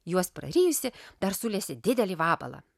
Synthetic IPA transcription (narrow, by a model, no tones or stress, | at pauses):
juɔspɾɐ̰ɾʲiːjʊsʲɪd̪ɐɾsʊlʲeːsʲɪd̪ʲɪd̪ʲɛlʲɪʋɑːbɐ̰lˠɐ̰